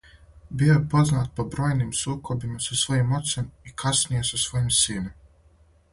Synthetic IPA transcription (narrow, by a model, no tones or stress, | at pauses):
bijo̞jepo̞znaːt̪̚pobɾo̞ːjniːmsuːkʰo̞bimasasʋo̞jimo̞t̪semikʰasnije̞sasʋo̞jimsiːnem